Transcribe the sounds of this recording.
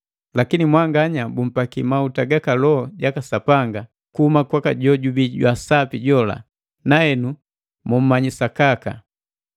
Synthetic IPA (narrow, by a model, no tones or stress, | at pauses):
lakinimwaŋɡaɲabum̩pakimautaɡakalɔɔɟakasapaŋɡa | kuhumakwakaɟɔɟubiɟwasapiɟɔla̰ | nahɛnu | mum̩maɲisakaka